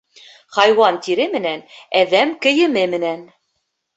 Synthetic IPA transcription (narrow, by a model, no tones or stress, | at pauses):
χɑjwɑnt̪iɾɘmɘ̆nænæðæmkɘ̆jɘ̆mɘmɘ̆næn